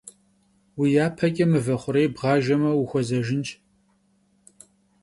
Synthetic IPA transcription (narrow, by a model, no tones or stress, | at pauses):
wijaːpʰɐkʲʼɐmɨvɐχʷʊɾejbʁɑːʒɐmɐwuxʷɔzɐʒɪnt͡ʃʼ